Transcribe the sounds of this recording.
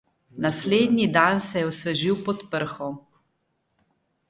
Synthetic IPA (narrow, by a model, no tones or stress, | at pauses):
nasleːd̪nid̪ansɛjɛɔsəʒiwpɔt̪pəɾxɔ